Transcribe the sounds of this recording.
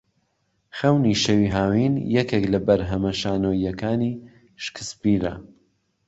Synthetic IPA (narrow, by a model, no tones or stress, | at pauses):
xɐwniʃɐwiɦaːwiːnjɛkeklɐbɐɾɦɐmɐʃaːnoːjːɐkaːni | ʃkʰɨ̥spiːɾɐ̰